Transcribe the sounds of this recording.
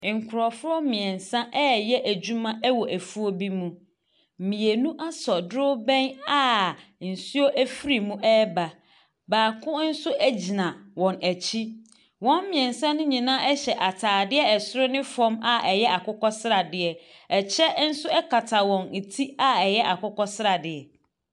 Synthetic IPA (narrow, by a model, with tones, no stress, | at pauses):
ŋ̩˨kʰʊ˨ɾɔ˨fʊ˦ɾɔ˦mĩ˨ɛ̃˨nsã˦ʔɛ˦˨jɛ˦ʔæ˨d͡ʑu˦mã˦ʔɛ˦wɔ˨ʔæ˨fu˦o˦bi˦mũ˦ | m̩˨mĩ˨e˨nũ˦ʔa˦sɔ˨dʊ˦bɛ̃˦na˦n̩˨su˦o˦ʔæ˦fi˦ɾi˨mũ˦ʔɛː˦ba˨ | baː˨kʰʊ̃˦n̩˦sʊ˦ʔæ˦d͡ʑi˨nã˨wɔ̃˨næ˨t͡ɕʰi˦ | wɔ̃˦m˦mɪ̃˨ɛ̃˨n˨sɛ̃˦nʊ̃˦ɲĩ˨nãː˦ʔɛ˦ɕɛ˨ʔa˨tʰaː˨dɪ˦ɛ˦ɛ˨sʊ˦ɾʊ˦nɪ̃˦fɔ̃˦ma˦ʔɛ˨jɛ˦ʔa˨kʊ˦kɔ˦sɪ˦ɾa˨dɪ˨ɛ˨ | ɛ˨t͡ɕʰɛ˦n̩˦sʊ˦ɛ˦kʰa˨tʰa˨wɔ̃˨n̩˨tʰi˦a˦ɛ˨jɛ˦ʔa˨kʊ˦kɔ˦sɾa˨dɪ˨ɛ˨